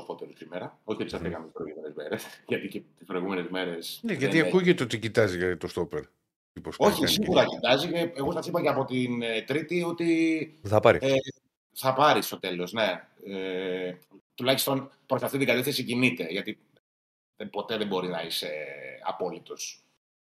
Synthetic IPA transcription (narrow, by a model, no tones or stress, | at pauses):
ofot̪eɾosimeɾɐo̞çiet̪isɐθikɐmet̪ispɾo̞ijɣumenezme̞̰ɾesʝɐt̪icet̪ispɾo̞iɣume̞nezme̞ɾe̞sneʝɐiɐkuʝet̪eot̪icit̪ɐziʝɐt̪ost̪opeɾ | iposoçisiɣɣuɾɐcit̪ɐziceeɣo̞sɐθipɐceɐpo̞t̪int̪ɾit̪io̞t̪iθɐpɐɾḭe | θɐpɐɾist̪o̞t̪e̞lo̞zne̞ | e | t̪ulɐçist̪o̞npɾo̞sɐft̪it̪iɡɐt̪eθesicinit̪e̞ʝɐt̪i | epo̞t̪e̞ðebo̞ɾinɐise̞ɐ̰po̞lit̪o̞s